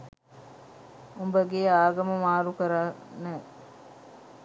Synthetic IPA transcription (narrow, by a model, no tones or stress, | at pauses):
umbəɡeːaːɡɐməmaːɾukɐɾanːe